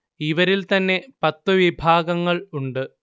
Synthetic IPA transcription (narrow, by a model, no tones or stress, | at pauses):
iʋɐɾilt̪ɐnːe̞pɐt̪ːuʋibʱaːɡɐŋːɐɭuɳɖɨ